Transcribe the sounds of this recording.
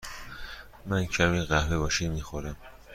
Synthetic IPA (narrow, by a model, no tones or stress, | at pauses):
mæncʰæmiːɢæhlebɒːʃimixoɾæm